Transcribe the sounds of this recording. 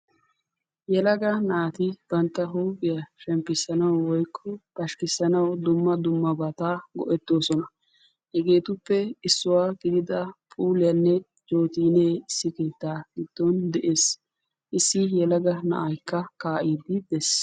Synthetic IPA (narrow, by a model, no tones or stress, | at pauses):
jɛlɐɡɐnɐʔat̪ɪb̥ɐnt̪ːɐɦuːɡɪjɐʃɛmpːɪsːɐnɐwwɔjkʰːɔb̥ɐʃkɪsːɐnɐwd̪ʊmːɐd̪ʊmːɐbɐt̪aːɡɔ̰ʔɛt̪ːo̞ːsɔnɐ | hɛɡe̞ːt̪ʊpːɛɪsːʊwaːɡɪd̪ɪd̪ɐpʼuːlɪjɐnːɛ | d͡ʒo̞ːt̪iːneːɪsːɪkeːt̪ːaːɡɪd̪̥ːɔnd̪ɛʔe̞ːs | ʔɪsːɪjɛlɐɡɐnɐ̰ʔajkːɐkaːʔiːd̪ɪd̪ɛs